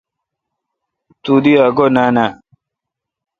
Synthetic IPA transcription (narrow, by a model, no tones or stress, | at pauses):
t̪ud̪iaɡonana